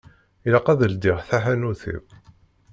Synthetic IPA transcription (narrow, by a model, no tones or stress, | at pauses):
ilɑqːæðəld̪iʁθaħænuθḭw